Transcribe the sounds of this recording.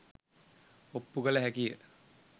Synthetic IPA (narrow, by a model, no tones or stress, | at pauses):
opːuɡələɦækijə